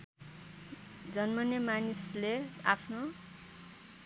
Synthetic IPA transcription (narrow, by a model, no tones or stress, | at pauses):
d͡zʌnmʌnjʌmanisleapʰno